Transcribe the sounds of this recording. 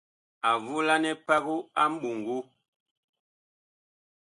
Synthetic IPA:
a˨vu˦la˦nɛ˦pa˦ɣu˦a˦m̩˦bu˨ŋ˨ɡu˦

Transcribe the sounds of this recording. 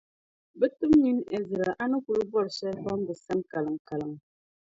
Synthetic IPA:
bə˦tu˦mɲi˦ne˨zə˨ɾa˨ʔa˦nə˦ku˨ɾu˦bɔ˦˨ɾsɛ˦ba˦m˦bə˨sa˦nka˨lə˨ŋ˨ka˨lə˨ŋ

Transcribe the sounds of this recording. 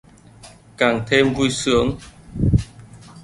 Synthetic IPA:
ka˨˩ŋt̪ʰe˧mvu˧jsɨ˨˦əŋ

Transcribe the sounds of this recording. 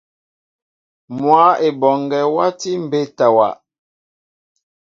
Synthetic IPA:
mwa˨˦e˨bɔ˨ŋɡɛ˨wa˦ti˦m̩˨be˦˨ta˨wa̰˨

